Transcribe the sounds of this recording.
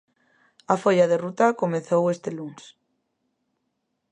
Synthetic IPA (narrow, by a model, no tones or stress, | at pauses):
afoʎaðerut̪akomeθowest̪eluŋs